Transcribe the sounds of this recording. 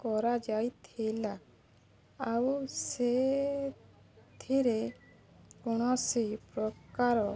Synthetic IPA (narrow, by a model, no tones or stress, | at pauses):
kɔɾad͡ʒajt̪ʰejlaː | wse | t̪ʰiɾe | kɔɽ̃ɔsipɾɔkaɾɔ